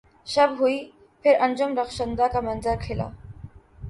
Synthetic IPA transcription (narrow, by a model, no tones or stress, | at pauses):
ʃəbɦui | pʰɪɾənd͡ʑomɾəxʃənd̪akamənzəɾkʰela̰